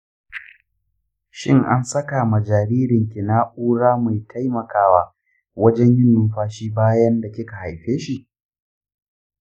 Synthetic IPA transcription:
ʃɪ̰˦ŋʔa˦nsɐ˦ka˨ma˨d͡ʒaː˨ɾiː˦ɾɪ˨ŋkʲɪ˨na˦ʔuː˦ɽaː˦ma˨jtʰa˦jmɐ˨kaː˦waː˦ | wɐ˦d͡ʒɛ˦ɲjɪ˦nːʊ˨mɸaː˦ʃiː˦baː˦jɐ˦nda˨kʲɪ˦ka˨ha˨jɸeː˦ʃi˦˨ʔ

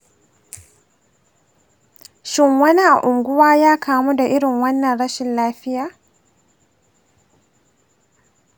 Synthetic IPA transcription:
ʃɪ˦ŋwɐ˦ni˦ʔa̰˨ʔʊ˨ŋɡʷʊ˦waː˦jaː˦kʰaː˨mu˦da˨ʔɪ˦ɾɪ˨ŋwɐ˦nːɐ˨nɽɐ˦ʃɪ˨nlaː˦ɸɪ˦jaː˨

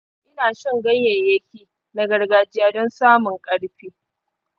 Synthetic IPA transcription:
ʔɪ˦naː˨ʃɪ˦˨ŋɡɐ˦ɲjjɐ˨jɐ˦kʲiː˨ | na˨ɡɐ˨rɡaː˨d͡ʒɪ˦jaː˦˨dɔ˦nsaː˦mʊ˨ŋkʼɐ˦ɽɸiː˦

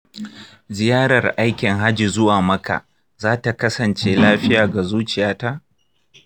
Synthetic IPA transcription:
zɪ˨jaː˦ɾɐ˨rʔa˦jkʲɪ˨ŋɦa˦d͡ʒi˨zʊ˦waː˨mɐ˦ka̰˨ | zaː˦ta˨kɐ˦sɐ˨nt͡ʃeː˦laː˦ɸɪ˦jaː˨ɡa˨zuː˦t͡ʃɪ˨jaː˦ta˦ʔ

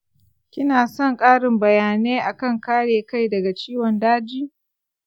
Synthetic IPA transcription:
kʲɪ˦naː˨sɔ˦˨ŋkʼaː˦ɽɪ˨mbɐ˨jaː˨neː˦ʔa˨kɐ˦˨ŋkaː˦ɽeː˨ka˦˨jdɐ˨ɡa˨t͡ʃiː˦wɔ˨ndaː˦d͡ʒiː˦

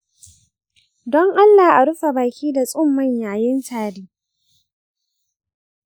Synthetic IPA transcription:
dɔ˦ŋʔa˦lːaː˨ʔa˨ɽʊ˦ɸa˨baː˨kʲiː˦da˨sʼʊ˦mːɐ˦˨ɲjaː˨jɪ˦ntaː˨diː˦

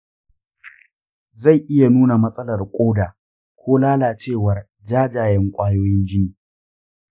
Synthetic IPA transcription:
za˦˨jʔɪ˦ja˨nuː˦na˨mɐ˦sʼɐ˦lɐ˨rkʷʼoː˦daː˨ | kʷʰoː˦laː˦laː˨t͡ʃeː˦˨wɐ˨r | d͡ʒaː˦d͡ʒaː˨jɛ˦ŋkʷʼaː˦joː˦jɪ˦nd͡ʒɪ˦niː˨

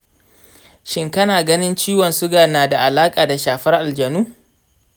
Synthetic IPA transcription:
ʃɪ˦ŋkɐ˦naː˨ɡɐ˦nɪ˦nt͡ʃiː˦wɔ˨nsʊ˦ɡaː˨naː˨da˨ʔa˨laː˦kʼaː˨da˨ʃaː˨ɸɐ˦rʔa˨ld͡ʒɐ˨nuː˦

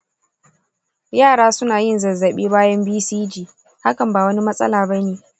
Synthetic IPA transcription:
jaː˦˨ɽaː˦sʊ˦naː˨jɪ˦nzɐ˨zːɐ˨ɓiː˦baː˦jɐ˦mbiː˦siː˦d͡ʒiː˨ | ha˦kɐ˨mbaː˨wɐ˦ni˦mɐ˦sʼɐ̰˦laː˨bɐ˦neː˨ʔ

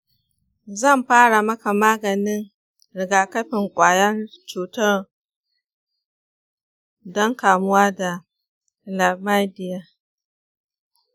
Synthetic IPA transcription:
zɐ˦˨mɸaː˦ɽa˨mɐ˦ka˨maː˦ɡɐ˨nɪ˦n | ɾɪ˨ɡaː˨kɐ˦ɸɪ˨ŋkʷʼaː˨jɐ˦nt͡ʃuː˨tɐ˦r | dɔ˦ŋkaː˨mʊ˦waː˦da˨ | la˨ma˦dɪ˦ja˦

